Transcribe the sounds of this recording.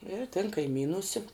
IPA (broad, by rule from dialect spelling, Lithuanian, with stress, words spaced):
ɪr tʲɪn kɐɪˈmʲiːnuːsʲɛ